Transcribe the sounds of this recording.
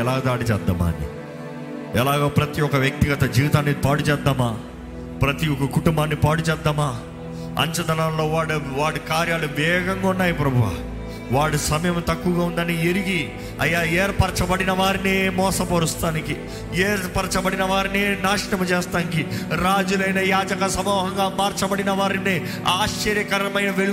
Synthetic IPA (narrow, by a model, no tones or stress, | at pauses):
ɛlaːɡd̪aːɽit͡ʃɛːd̪ːa̰ːma̰ːnːḭ | ɛlaːɡaːpɾɐt̪iɔkɐʋjɐk̚t̪iɡɐt̪ɐd͡ʒiːit̪aːnːipaːɽut͡ʃɛːd̪ːaːmaː | pɾɐt̪iɔkɐkuʈumbaːnːipaːɽut͡ʃɛːd̪ːaːmaː | ɐ̰ɲt͡ʃɐd̪ɐnaːnlo̞ːʋaːɽʋaːʈikaːɾjaːluʋɛːɡɐŋɡaunːaːjipɾɐbʱuʋa̰ | ʋaːɽisɐmɐjɐmt̪ɐkːuːɡaːund̪ɐnieɾiɡi | ɐ̰jːaːɛːɾpɐɾt͡ʃɐbɐɽinɐʋaːɾinimɔːsɐpoɾust̪aːniki | eːɾpɐɾɐt͡ʃɐbɐɽinɐʋaːɾinenaːʂiʈɐmɐt͡ʃeːst̪aːnikiɾaːd͡ʒulɐjnɐjaːd͡ʒɐkɐsɐmɔːɦɐŋɡaːmaːɾt͡ʃɐbɐɽinɐʋaːɾini | aːʃt͡ʃːɐɾjɐkɐɾɐmɐjnɐʋeɭu